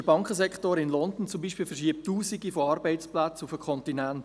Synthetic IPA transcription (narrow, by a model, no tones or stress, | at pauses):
əbɑŋkχəsɛkχtoːɾɪnlɔndn̩t͡sʊmbiːʃpiːlfəɾʃiəp̚tːuːsiɡifoɑɾbɛɪt͡splat͡sufəkʰχɔntinænt